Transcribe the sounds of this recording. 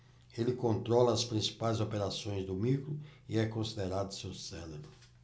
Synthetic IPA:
elɪkõnt̪ɾɔlɐːspɾĩsi̥pajzopeɾasõj̃zd̪ʊmikɾʊiɛkõsid̪eɾad̪ʊsewsɛlebɾʊ

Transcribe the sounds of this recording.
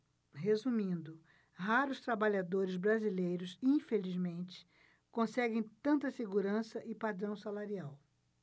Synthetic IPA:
ɦezumĩnd̪ʊ | ɦaɾʊst̪ɾabaʎad̪oɾɪzbɾazilejɾʊsĩfelizmẽnt͡ʃɪ̥ | kõsɛɡẽj̃t̪ɐ̃nt̪ɐseɡuɾɐ̃sɐʔɪpad̪ɾɐ̃w̃salaɾiaw

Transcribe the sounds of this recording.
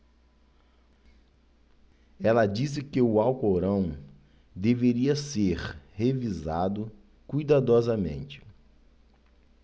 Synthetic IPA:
ɛlɐd͡ʒis̬ɪkɪʊawkoɾɐ̃w̃ | d̪eveɾiɐseɾhevizad̪ʊ | kujd̪ad̪ɔzɐmḛ̃nt͡ʃɪ̥

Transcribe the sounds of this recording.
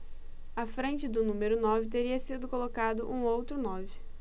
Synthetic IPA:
afɾẽnt͡ʃɪd̪ʊnũmeɾʊnɔvɪt̪eɾiɐsid̪ʊkolokad̪ʊʔũowt̪ɾʊnɔvɪ

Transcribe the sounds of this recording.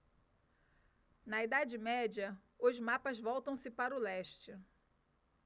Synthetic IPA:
nɐid̪ad͡ʒɪmɛd͡ʒɐ | ʊzmapɐzvɔwt̪ɐ̃w̃sɪpaɾʊlɛʃt͡ʃɪ

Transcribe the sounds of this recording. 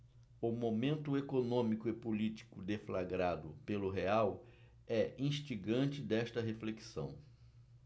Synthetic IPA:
ʊmomẽnt̪ʊekonõmikʊɪpolit͡ʃi̥kʊd̪eflaɡɾad̪ʊpelʊɦeaw | ɛʔĩʃt͡ʃiɡɐ̃nt͡ʃɪd̪ɛʃt̪ɐɦefleksɐ̰̃w̃

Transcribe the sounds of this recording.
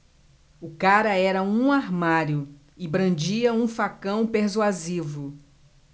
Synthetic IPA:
ʊkaɾɐɛɾɐũaɾmaɾjʊ | ɪbɾɐ̃d͡ʒiɐũfakɐ̃w̃peɾsuazivʊ

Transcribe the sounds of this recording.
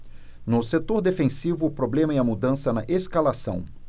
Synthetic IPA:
nʊset̪oɾd̪efẽsivʊːpɾoblẽmɐɛɐmud̪ɐ̃sɐnɐʔeskalasɐ̰̃w̃

